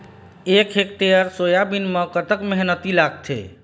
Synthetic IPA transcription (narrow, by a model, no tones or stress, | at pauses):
ekʰek̚ʈ̪eəɾsojabinməkət̪əkmeɦnət̪ilaɡ̚t̪ʰḛ